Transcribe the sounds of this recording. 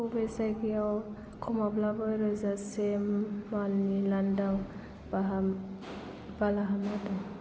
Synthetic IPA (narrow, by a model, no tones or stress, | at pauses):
ubesajɡiaw | kʰɔmablabɔjɾɔzasemalnilandaŋ | baɦa | balaɦanadɔŋ